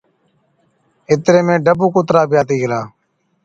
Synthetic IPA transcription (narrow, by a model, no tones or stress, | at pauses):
ɪt̪ɾeːmẽːɖəbuːkʊt̪ɾaːpɪjaːt̪iːɡɪɾaː